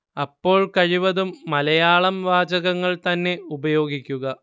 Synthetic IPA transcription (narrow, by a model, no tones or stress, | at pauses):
ɐpːo̞ːɭkɐɻiʋɐðumːɐlɐjaːɭɐmʋaːd͡ʑɐɣɐŋːɐɭt̪ɐnːe̞ubɐjo̞ːɡikʲːuɣɐ